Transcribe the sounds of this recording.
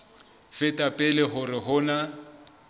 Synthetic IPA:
fɪtʼapʼɪlɪɦʊrɪɦʊːna

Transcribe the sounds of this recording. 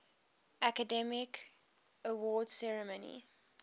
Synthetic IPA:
ʔækədɛmɪk | əwɔːdsɛɹəmənḭ

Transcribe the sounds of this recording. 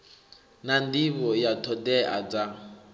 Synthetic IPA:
nandiβɔjatʰɔdɛʔa̰d͡za

